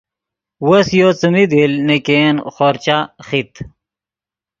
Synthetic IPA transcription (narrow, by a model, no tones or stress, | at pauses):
wɐsjot͡sumid̪ilnekeːnxoɾt͡ɕaxit̪